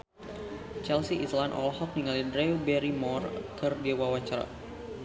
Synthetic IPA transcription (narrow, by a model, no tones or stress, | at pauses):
t͡ʃɛlsiʔislanʔɔ̰lɦɔk̚niŋalidɾebɛɾimɔrkɨrdiwawat͡ʃaɾa̰